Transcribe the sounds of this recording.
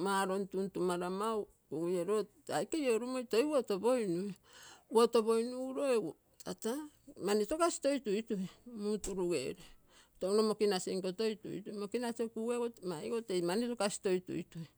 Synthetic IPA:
maɾontuntumaɾamaw | kuɡujeɾo | ajkejoɾumojtojwoto̞bo̞jnue | woto̞bo̞jnuɾo̞e | ata | manitokasi̥to̞jtujtuemutuɾuɡḛɾe | tounomo̞kinaseŋkoto̞jtṵjtumokinasekuɡeɡomajɡote̞jmanitokasi̥to̞jtṵjtui

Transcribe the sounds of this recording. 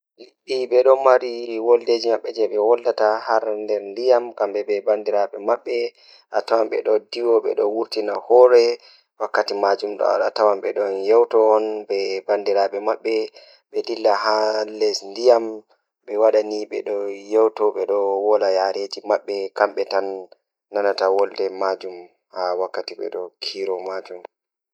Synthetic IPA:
liɓːiɓɛɗɔmaɾiwɔlded͡ʒimaɓːɛd͡ʒɛɓɛwɔlːatahaɾndɛɾndijamkambɛbɛbandiɾaɓɛmaɓːɛ | ʔatawamɓɛ̰ɗɔdiwɔɓɛ̰ɗɔwuɾtinahɔɾɛ | wakːatimad͡ʒumɗɔ̰a̰ɗa̰tawamɓɛɗɔnjɛwtɔɔnbɛbandiɾaɓɛmaɓːɛ | ɓɛdilːaɦalɛsndijam | ɓɛwaɗaniɓɛ̰ɗɔjɛwtɔɓɛɗɔwɔlajaɾed͡ʒimaɓːɛkamɓɛtanː | anatawɔldɛmad͡ʒum | hawakːatiɓɛ̰ɗɔkʰiɾɔmad͡ʒum

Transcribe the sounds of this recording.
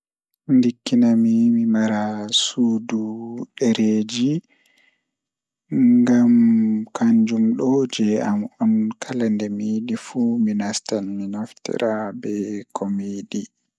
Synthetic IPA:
ndikːinamimimaɾasuːduɗɛɾeːd͡ʒi | ŋɡamkʰaɲd͡ʒumɗɔd͡ʒɛamɔnkʰalandɛmiːɗifuminastanminoftḭɾabɛkʰomiːɗi

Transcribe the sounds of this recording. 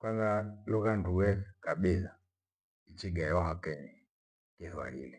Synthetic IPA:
kwanzalukanduwɛkaɓila | it͡ʃiɡajɔɦakɛni | kiθwa̰lḭli

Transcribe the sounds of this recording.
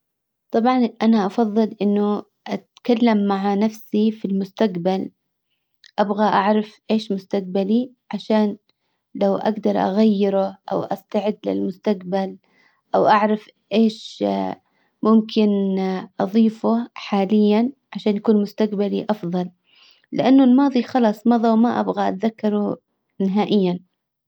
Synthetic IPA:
t̪ˤɑbʕɑnʔanaʔɑfɑðˤːɨlʔɪnːʊ | ʔat̪kalːamːaʕanafsifilmʊst̪aqbal | ʔabɣaʔaʕɾˤɑfʔeːʃmʊst̪aq̚bali | ʕaʃaːn | lawʔa̰ɡd̪ɑɾˤʔa̰ɣajːɪɾʊʔa̰wʔa̰st̪aʕɪd̪ːlɪ̰lmʊst̪aqbal | ʔawʔaʕɾˤɑf | ʔeːʃ | mʊmkʰɪnʔɑðˤiːfʊħaːlɪjːanʕaʃaːnjakuːnmʊst̪aqbaliʔɑfðˤɑl | lɪʔanːʊlmɑːðˤixɑlɑːsˤmɑðˤɑwmaʔa̰bɣaʔa̰t̪ðakːɑɾˤʊ | nɪɦaːʔɪjːan

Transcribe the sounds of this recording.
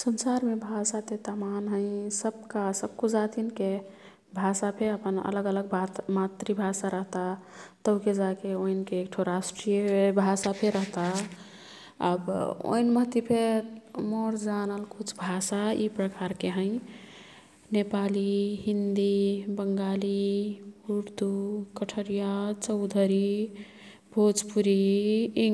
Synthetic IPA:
sənsaɾmebʱasat̪et̪amanɦə̃ɪ̃səb̚kasəb̚kud͡ʒat̪inke | bʱasapʰeəpənə̰ləɡələɡ̚bʱamat̪ɾibʱasaɾəɦt̪at̪əked͡ʒakeoinkeːkʈʰoɾasʈɾijebʱasapʰeɾəɦt̪a | a̰bo̰inməɦt̪ipʰemoɾd͡ʒanəlkut͡ʃʰbʱasaḭpɾəkaɾkeɦə̃j̃ | nepaliɦind̪ibəŋɡali | uɾd̪ukəʈʰəɾijat͡ʃəʊd̪ʱəɾi | bʱod͡ʒpuɾi

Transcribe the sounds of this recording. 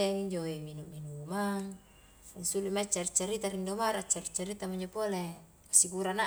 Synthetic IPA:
eiɲd͡ʒoeminuminumaŋ | nsulimat͡ʃːaɾit͡ʃːaɾit̪aɾindomaɾat͡ʃːaɾit͡ʃːaɾit̪amaɲd͡ʒopole | kasikuɾana

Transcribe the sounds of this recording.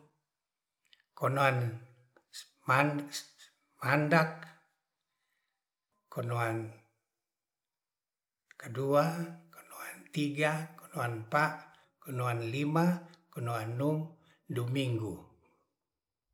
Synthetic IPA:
kɔnoan | ma | mandak | ɔnoan | kəduako̥noant̪iɡako̥noanpaʔ | kɔnoanlimakɔnoanːum | dumiŋɡu

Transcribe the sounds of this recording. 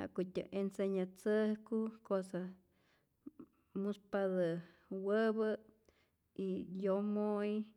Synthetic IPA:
a̰ʔkot̪ʲɨ̰ʔenseɲat͡sɨhkukosa | muspaðɨ | wəbə | ijomoj

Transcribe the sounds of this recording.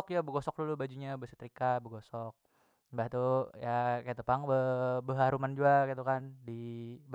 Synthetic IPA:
ɔk̚d͡ʒabəɡosɔk̚lulʊbad͡ʒuɲabəsə̥t̪ɾikabəɡosɔk̚ | baht̪ujakat̪upaŋbəbəɦaɾumand͡ʒuakit̪ukandib

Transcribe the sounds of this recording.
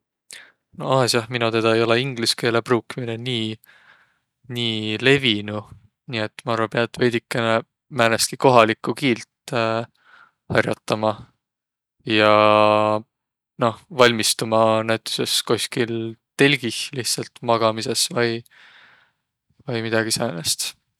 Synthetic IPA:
noɑːsɑhminut̪e̞d̪̥ɑejo̞leiŋɡ̥liske̞ːle̞pruːkːimineniː | niːle̞vinu | niːet̪ːmɑɑrvɑpeɑt̪ːˑve̞jd̪ikːene | mæneskiko̞ɦɑlikːˑukiːlt̪ | hɑrjɑt̪ˑːɑmɑ | jɑ | no̞hvɑlʲmist̪umɑnæjt̪ːˑu̥sesko̞sʲkilt̪e̞lʲɡ̥ihliht̪sɑlt̪mɑɡ̥ɑmise̞svɑj | vɑjmid̪̥ɑɡ̥isɑːnest̪

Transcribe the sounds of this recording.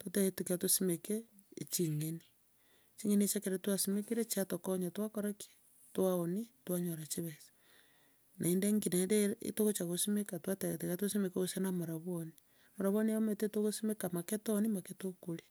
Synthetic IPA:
toteɣetukiatosimeke | t͡ʃiŋeni | t͡ʃiŋeniet͡ʃakeɾetwasimekiɾet͡ʃatokoɲatwakoɾake̥ | twaonitwaɲoɾat͡ʃiβesḁ | nʔa̰indeŋɡinedeḭtoɣot͡ʃaɣosimekatwateɣetekatwosimekoɣosenamoɾaβwoni | moɾaβoniometetoɣosimekamaketonimaketokuɾe

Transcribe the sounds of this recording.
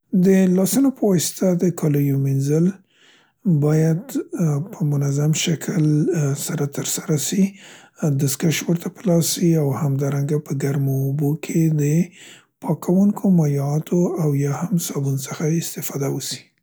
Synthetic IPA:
d̪əlɑsanopəwɑsɪ̥t̪ad̪əkʰɑləjominzəl | bɑjad̪pʰəmʊnazamʃakʰəlsaɾat̪əɾsaɾasi | d̪əskaʃwəɾt̪ʰapəlɑsːiawhamd̪ɑɾaŋɡapəɡaɾmoːbokʰed̪ə | pɑkʰawuŋkʰomajɑt̪ʰoawjɑhamsɑbunosəxaɪst̪ɪfɑd̪awəsi̥

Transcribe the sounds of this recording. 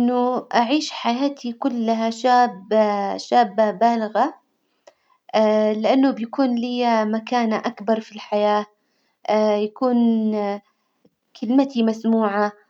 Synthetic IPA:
ʔɪnːʊʔaʕiːʃħajaːt̪ʰikʊlːaɦaʃaːbʃaːbabaːlaɣa | lɪʔanːʊbjakuːnliːmakaːnaʔakbɑɾˤfilħajaː | jakuːn | kʰɪlmat̪imasmuːʕa

